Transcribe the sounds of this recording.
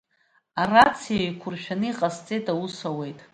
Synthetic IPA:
arat͡sʰijajkʷʰʊrʃᶣanɨiqʼast͡sʼetʼawusawe̞jtʼ

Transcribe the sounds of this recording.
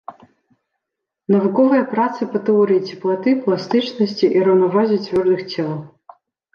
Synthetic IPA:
nɐvukɔvɨjɐpɾat̪sɨpɐt̪ɨɔɾɨjit͡sʲiplˠat̪ɨplˠast̪ɨt͡ʂnɐsʲt͡sʲiʔiɾɐwnavazʲit͡sʲvʲɔrd̪ɨxt͡sʲɛlˠɐ

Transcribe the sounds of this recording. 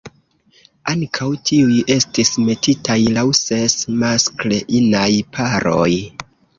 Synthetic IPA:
aŋkʰawtʰiuje̞stisme̞tʰitʰajlawse̞smaskleʔinajpʰaɾʔo̰j

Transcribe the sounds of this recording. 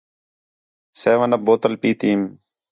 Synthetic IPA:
seːʋənəp̚boːt̪əlpiːt̪iːm

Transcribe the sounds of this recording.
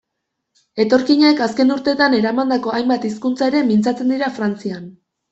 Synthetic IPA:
e̞t̪o̞ɾkiɲekaske̞nuɾt̪e̞t̪ane̞ɾamand̪ako̞ajmbat̪iskunt͡sae̞ɾe̞mint͡sat͡se̞nd̪iɾafɾant͡sian

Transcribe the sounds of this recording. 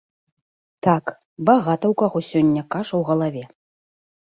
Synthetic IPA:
t̪ak | baɣat̪ɐwkaɣɔsʲɔnʲːɐkaʂɐwɣɐlˠavʲɛ

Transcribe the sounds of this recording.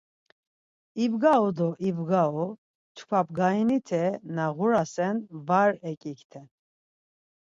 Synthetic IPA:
ibɡaɔd̪ɔʔibɡaɔ | t͡ʃʰkʰabɡainit̪ʰɛnaʁuɾasɛnvaɾɛkʼikʰt̪ʰɛn

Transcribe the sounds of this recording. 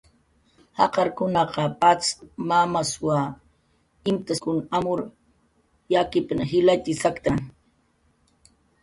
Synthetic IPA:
hɑ̰qɑɾkʊnɑqɑpat͡smamaswa | ɪmt̪akʊnamʊɾ | jakɪpnaɦɪlat̪ɪsakt̪aŋ

